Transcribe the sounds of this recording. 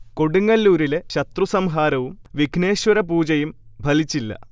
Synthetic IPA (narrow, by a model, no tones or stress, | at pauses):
ko̞ɽuŋːɐlːuːɾileɕɐt̪rusɐmɦaːɾɐʋumʋiɡʱne̞ːɕwɐɾɐpuːt͡ɕɐjum | bʱɐlit͡ɕːilːɐ̰